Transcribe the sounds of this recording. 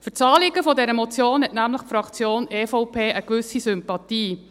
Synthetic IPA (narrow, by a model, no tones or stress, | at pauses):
fət͡sɑːlɪɡəfɔdɛɾəmot͡sjoːnhɛtnæmləχfɾɑkt͡sjoːnefɔʊpʰeːʔəkʋʏsisʏmpɑtiː